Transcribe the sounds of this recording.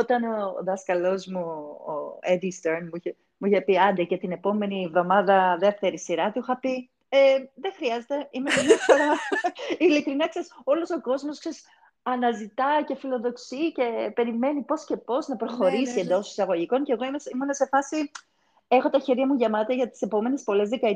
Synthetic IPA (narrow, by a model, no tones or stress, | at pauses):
ot̪ɐnoðɐskɐlo̞zmuo̰ed̪ist̪eɾnmuiçe | muiçepiɐnd̪ecet̪ine̞po̞me̞nivðo̞mɐðɐðe̞ft̪e̞ɾisiɾɐt̪uxɐpi | eðexɾiɐzet̪e̞imekɐmjɐfo̞ɾɐ | ilikɾinɐkseso̞lo̞so̞ko̞zmoskses | ɐnɐzit̪ɐce̞filo̞ðo̞ksice̞pe̞ɾime̞nipo̞sce̞po̞znɐpɾo̞xo̞ɾisie̞nd̪o̞si̥sɐɣo̞ʝiko̞ŋceɣo̞imesimunɐse̞fɐsi | e̞xo̞t̪ɐçeɾʝɐmuʝɐmɐt̪ɐʝɐt̪i̥se̞po̞me̞nespo̞le̞zðekɐ